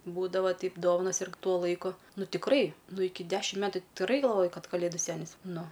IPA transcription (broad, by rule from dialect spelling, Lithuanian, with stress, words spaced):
ˈbuːdɐʋɐ ˈtʲɛɪp ˈdoːʋɐnɐs ɪrk ˈtuɔ ˈlˠɐɪkʊ ˈnʊ tʲɪkˈrɐɪ ˈnʊ ˈɪkʲɪ ˈdʲæːʃʲɪm ˈmʲæːtʊ tʲɪ tʲɪkˈrɐɪ ɡɐlˠˈʋoːjɛɪ ˈkɐt kɐˈlʲeːdʊ ˈsʲæːnʲɪs ˈnʊ